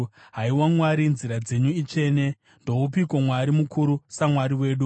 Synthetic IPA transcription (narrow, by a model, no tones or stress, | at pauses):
ɦaiwamwaɾinziɾad͡ze̞ɲuit͡ʃe̞ːne̞ | ndo̞upikomwaɾimukʰuɾusamwaɾiwe̞ːɗu